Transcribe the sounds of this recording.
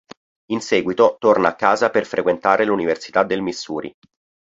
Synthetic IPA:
insɛːɡwit̪ot̪ornaakːaːzaperfɾʔekwent̪aːɾeluniversi̥t̪ad̪ːelmisːuːɾḭ

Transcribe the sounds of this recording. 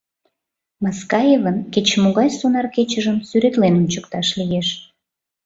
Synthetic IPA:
mɑskɑjevənket͡ɕmoɣɑjsonɑrket͡ɕəʒəmsyɾet̪lenunt͡ɕəkt̪ɑʃlijeʃ

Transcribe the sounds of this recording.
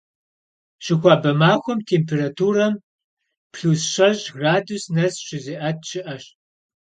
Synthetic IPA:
ɕɪxʷɑːbɐmaːxʷʊmtʰeːmpʰeːrɐtʰuːrɐm | pʰɬuːsɕɐʒɡraːdusnɐsɕɪziʔɐt̚ʰɕɪʔɐɕ

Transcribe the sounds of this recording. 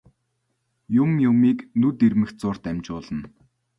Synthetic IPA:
jʊmjʊmiːknɵt̪ermɘ̆x̚t͡sʊr̥t̪æmʲt͡ɕʊːɮə̆n

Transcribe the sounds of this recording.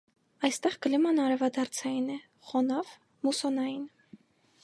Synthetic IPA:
ɑjst̪ɛʁɡəlɛmɑnɑɾɛvɑd̪ɑɾt͡sʰɑjinɛ | χɔnɑv | musɔnɑjin

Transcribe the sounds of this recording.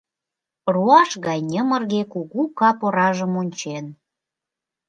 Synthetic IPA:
ruɑʃɣɑjnʲəmərɣekuɣukɑpoɾɑʒəmonʲt͡ɕen

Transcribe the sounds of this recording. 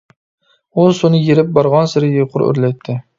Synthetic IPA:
ʊsʊnɪjeɾɪp̚bɒɾʁɒnsɪɾɪjʲeqʰʊɾɵ̰ɾlajt̪ʰːɪ

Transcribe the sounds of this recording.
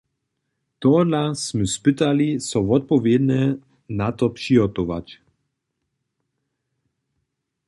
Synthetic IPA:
t̪ɔlasmuspɪt̪alisɔvɔt̪̚pɔvjɛd̪nɛ | nat̪ɔpʂiɦɔt̪ɔʋa̰cʲ

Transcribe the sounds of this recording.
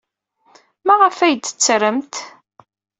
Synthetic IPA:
mæʁəfæjd̪ə̥t͡sːɾəmt̪

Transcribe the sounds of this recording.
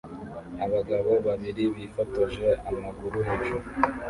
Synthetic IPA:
aβaɡaβo̞βaβiɾiβifataʒeamaɡuɾuɦeʒo

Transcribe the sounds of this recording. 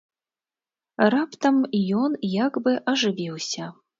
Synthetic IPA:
rapt̪ɐmjɔnjaɡbɨʔɐʐɨvʲiwsʲɐ

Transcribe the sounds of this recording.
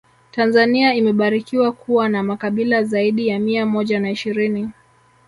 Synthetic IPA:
tanzaniaimɛɓaɾikiwakʰuwanamakaɓilazaiɗijamiamɔʄanaiʃiɾini

